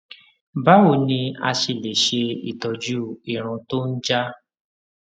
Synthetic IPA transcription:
ba˦wo˨nĩ˧a̰˧ʃe˧˨le˨ʃe˧ḭ˨tɔ˨d͡ʒu˦˨i˨ɾ̃ũ˧to˦n̩˦d͡ʒa˦

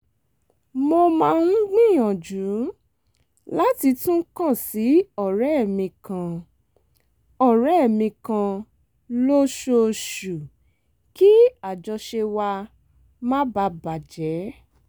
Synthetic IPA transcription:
mo˧mã˧nũ˦ɡ͡bĩ˦˨jɔ̃˨d͡ʒũ˨˦ | la˦ti˧tũ˦kã˦˨si˨˦ɔ˦˨ɾɛ˨˦˨mĩ˧kã˧ | ɔ˦˨ɾɛ˦˨mĩ˧kã˧ | lo˦ʃo˧˨ʃu˨ | ki˦a˨d͡ʒɔ˧ʃe˧wa˧ | mã˦ba˧ba˨d͡ʒɛ˨˦

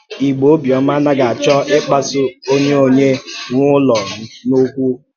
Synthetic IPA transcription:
i˨ɡ͡bo˨˦bjɔ˨m˦a˦na˦ɡa˨a˨t͡ʃɔ˦ʔe˦k͡pa˦sʊ˦o˦ɲe˦o˦ɲe˦ŋʷʊ˦lɔ˨˦no˦kʷu˦

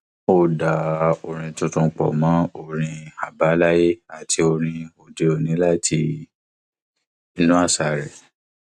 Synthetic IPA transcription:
o˦˨da˨o˨ɾ̃ĩ˧tũ˧tũ˧k͡pɔ̰˨mã˨˦o˨ɾ̃ĩ˧a˨ba˨˦la˦je˦a˨tʰi˧o˧ɾ̃ĩ˧o˨de˧o˨nĩ˨˦la˦tʰi˧ | i˧nũ˦a˦˨sa˨ɾɛ˨

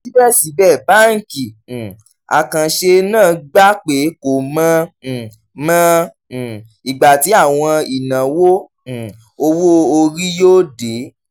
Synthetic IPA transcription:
si˨˦bɛ˦˨si˨˦bɛ˦˨ba˦ŋ̩˨ki˨ | a̰˨kã˨ʃe˧nãː˦˨ɡ͡ba˦k͡pe˨˦ko˨mã˦˧˦ | mã˦˧˨ | i˨ɡ͡ba˨ti˨˦a˦˨w̃ɔ̃˧i˨nã˨wõ˦˨ | o˧wo˦˧o˧ɾi˦joː˦de˨˦

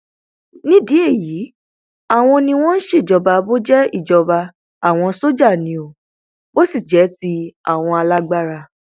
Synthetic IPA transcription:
nĩ˦di˨˦e˦˨ji˨˦ | a˦˨w̃ɔ̃˧nĩ˧w̃ɔ̃˦n̩˦ʃe˦˨d͡ʒɔ˧ba˧bo˦d͡ʒɛ˦i˦˨d͡ʒɔ˧ba˧ | a˦˨w̃ɔ̃˧so˦d͡ʒa˦˨nĩ˨˧˦o˨ | bo˦si˦˨d͡ʒɛ˨˦ti˦a̰˦˨w̃ɔ̃˧a˧la˦ɡ͡ba˦ɾa˧

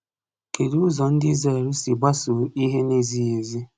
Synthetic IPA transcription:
ke˨du˦ʊ˦zɔ˨n̩˦dɪ˦ze˦˨ɾi˦si˨ɡ͡ba˦su˨˦i˦ɦe˦ne˦zi˦e˨zi˦

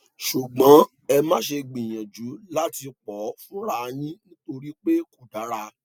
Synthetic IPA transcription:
ʃu˨ɡ͡bã˨˦ | ɛ˧mã˦ʃe˧ɡ͡bĩ˨j̃ã˨d͡ʒu˨˦la˦ti˧k͡pɔ˨˦fũ˦ɾa˦˧nĩ˦nĩ˦to˧ɾi˦k͡pe˦ku˨da˨˦ɾa˧

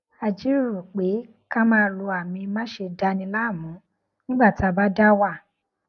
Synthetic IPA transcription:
a˧d͡ʒi˦ɾu˨k͡pe˨˦ | ka˦mãː˦˧lu˧a˨mĩ˧mã˦ʃe˧da˧˦nĩ˧˦la˦˨mũ˨˦ | nĩ˦ɡ͡ba˦˨ti˨˦a˧ba˦da˦wa˦˨

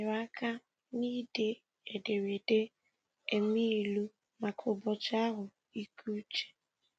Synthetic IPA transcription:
ɪ˨wa˦ka˦ | ni˦de˨ | e˨de˨we˨de˦ | e˨mi˦˨lu˦ | ma˨kʰʊ˨bɔ˨t͡ʃa˦ɦʊ˨ | i˦kʰu˦t͡ʃe̥˨

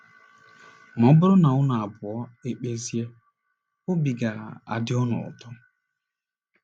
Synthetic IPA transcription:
m˨ɔ˨˦bʊ˦ɾʊ˦na˨ʊ˦na˨a˨bʊ˨ɔ˦e˦k͡pe˦zi˦e˦ | ʊ˦bi˨ɡa˨a̰˨dɪ˦ɔ˦nʊ̰˨ʊ̰˨tɔ˦

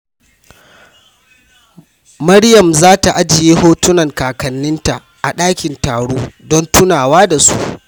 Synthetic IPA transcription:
mɐ˦ɽjɐ˨mzaː˦ta˨ʔa˦d͡ʒɪ˨jeː˦hoː˦tʊ˦nɐ˨ŋkaː˨kɐ˨nːɪ˦nta˨ | ʔa˨ɗaː˦kʲɪ˨ntaː˨ɽoː˦dɔ˦ntʊ˦naː˨waː˦da˨sṵ˦ʔ

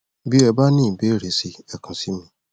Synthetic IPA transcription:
bi˦ɛ˨ba˦nĩː˦˨be˦ɾe˨si˧ɛ˨kʰũ˨si˦mĩ˦

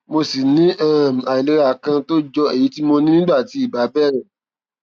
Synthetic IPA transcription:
mo˧si˨nĩ˨˦ʔɛ̃˦˨m˨a˨i˨le˨˧ɾa˨kã˧to˦d͡ʒɔ˧e˨ji˨˦ti˦mo˧nĩ˦nĩ˦a˦˨ti˨˦i˦˨ba˨˦bɛ˦˨ɾ̃ã˨

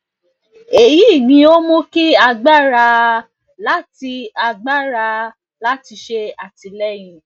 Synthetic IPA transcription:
e˨ji˨˦˨ɡ͡bĩ˧˦o˦mũ˦ki˦a˧ɡ͡ba˦ɾa˧ | la˨˦ti˧a˧ɡ͡ba˦ɾa˧ | la˨˦ti˧ʃe˧a˨ti˧lɛ˦j̃ĩ˧

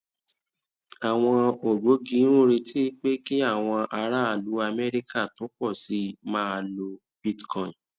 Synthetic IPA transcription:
a˨w̃ɔ̃˧o˨ɡ͡bo˨˦ɡi˧˦nũ˦ɾe˧tʰi˦˧k͡pe˦ki˦a˦˨w̃ɔ̃˧ʔa˧ɾa˦a˦˨lu˨˦a˧mɛ˦ɾi˦ka˦˨to˨˦k͡pɔ˦˨si˨˦mãː˦a˧lo˧ | b̥i˦tkʰɔ̃˦˨ĩ˨

